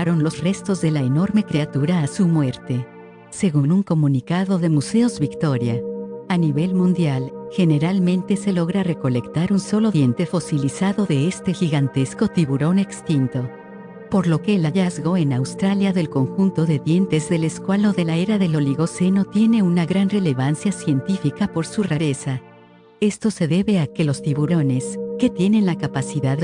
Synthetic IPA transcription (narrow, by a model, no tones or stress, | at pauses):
ɾo̞nlo̞sre̞st̪o̞zðe̞laeno̞ɾme̞kɾeat̪uɾaːsumwe̞ɾt̪e̞ | se̞ɣunuŋko̞mũnikaðo̞ðe̞muse̞ozβikt̪o̞ɾjaaniβe̞lmũnd̪jalxe̞ne̞ɾalmẽ̞nt̪e̞se̞lo̞ɣɾareko̞le̞kt̪aɾunso̞lo̞ðje̞nt̪e̞fo̞silisaðo̞ðe̞est̪exiɣant̪e̞sko̞t̪iβuɾo̞ne̞kst̪int̪o̞ | po̞ɾlo̞ke̞ːlaʝazɣo̞e̞nawst̪ɾaljaðe̞lko̞ŋxunt̪o̞ðe̞ðje̞nt̪e̞zðe̞le̞skwalo̞ðe̞lae̞ɾaðe̞lo̞liɣo̞se̞not̪je̞ne̞unaɣɾanrele̞βansjasje̞nt̪ifikapo̞ɾsuraɾe̞sa | e̞st̪o̞se̞ðe̞βe̞ake̞lo̞st̪iβuɾo̞ne̞ske̞t̪je̞ne̞nlakapasiðað